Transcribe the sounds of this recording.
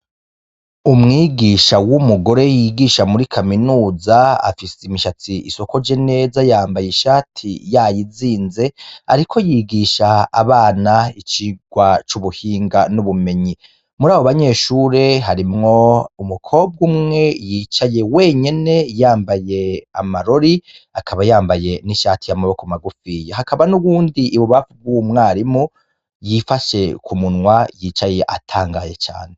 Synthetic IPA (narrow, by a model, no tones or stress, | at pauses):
umŋiːɡiʃawumuɡo̞ɾe̞jiːɡiːʃamuɾikʰaminuːzaa̰fisemiʃat͡siḭso̞ko̞ɾd͡ʒe̞ne̞ːzajaːmbajeʃaːtʰḭjajiziːnze̞aɾikʰo̞jiːɡiːʃa̰ːβaːnait͡ʃiɡ̥wat͡ʃuβuhiːŋɡanuβume̞ɲi | muɾaːβoβaɲe̞ːʃuːɾe̞ɦaɾimŋo̞umukʰo̞ːb̚ɡumŋe̞jiːt͡ʃaje̞we̞ːɲene̞jaːmbaje̞amaɾo̞ɾi | akʰaβajaːmbaje̞niʃaːtijamaβokumaɡufiːjeɦakaβanuβuːndiʔiβuβafub̚ɡumŋaːɾimu | jifaʃe̞kumunwajit͡ʃaje̞ʔa̰tʰaːŋɡaje̞t͡ʃa̰ːne̞